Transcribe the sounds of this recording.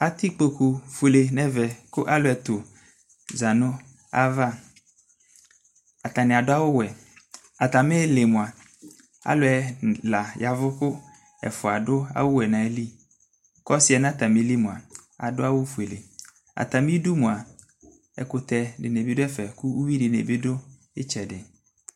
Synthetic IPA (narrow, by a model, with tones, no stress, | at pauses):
a˨t̪ɪ˦k͡po˨ku˨fe˨le˨nɛ˦vɛ˨kʊ˦ʔa˦lʊ˦ɛ˨t̪ʊ˨ | za˨nʊ̃˦ | a˦va˦ | a˨t̪a˨nɪ̃˨a˨dʊ˦a˦wʊ˦wɛ˨ | a˨t̪a˨mɪ˦le˨mʊ̃˨a˨ | a̰˦lʊ˦ɛ˨la˨ja˨vʊ˦kʊ˦ | ɛ̰˨fʊ˨a˨dʊ˦a̰˦wʊ˦wɛ˨nã˨˦li˦ | kɔ˦sɪ˦ɛ˨n˦ã˦t̪ʰa˨mɪ̃˨˦li˦mʊ̃˨a˨a̰˨dʊ˦a˦wʊ˦fu˨e˨le˨ | a̰˨t̪a˨mĩ˦du˦mʊ̃˨a˨ | ɛ̰˨kʊ˨t̪ʰɛ˨dɪ˨ne˨bi˦dʊ˦ɛ˦fɛ˨ku˦u˦wi˦dɪ˨nḛ˨bi˦dʊ˦ | ɪ˦t͡ʃʰɛ˨dɪ˨